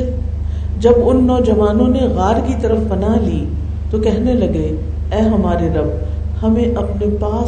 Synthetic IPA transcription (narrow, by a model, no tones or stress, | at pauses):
d͡ʒɐbʊnːɔːd͡ʒɐʋaːnõneɣaːɾkit̪ɐɾəfbɐnaliː | t̪okɛɦnelɐɡeɛːɦɐmaːɾeɾɐb̚hɐmẽʔɐpnepaː